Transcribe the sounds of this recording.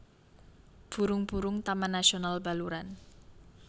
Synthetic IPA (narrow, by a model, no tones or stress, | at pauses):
b̥ṳɾʊŋb̥uɾʊŋt̪amanːasionalba̤luɾan